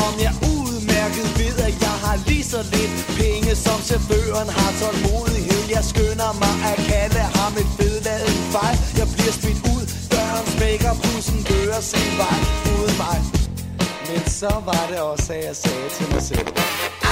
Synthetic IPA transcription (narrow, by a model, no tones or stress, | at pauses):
ɒ̽mjɑ̈ɪʔuð̩ˠmæɐɡ̥əð̩ˠʋe̝ð̰ˠæjɑ̈ɪɦɑ̈liːsɒ̽le̝d̥pʰeŋəsɒ̽msʰeb̥ø̰ːɐnɦɑ̈t͡sʰɒl̥mo̝̰ːðˠiɦel̰jɑ̈ɪsɡ̥ønɐmɑ̈ɪʔækʰæləhɑ̈me̝d̥feðˠlɛð̰ˠfɑ̈ɪ̰jɑ̈ɪb̥liɐsb̥ed̥uð̰ˠ | b̥ɶɐ̰nbeɡ̥ɐpʰusn̩b̥øːɐsenʋɑ̈ɪoːð̩ˠmɑ̈ɪ | mensɒ̽ʋɑ̈ɾe̝ɒ̽sæjɑ̈ɪsɛːt͡sʰe̝lmɑ̈ɪsel̰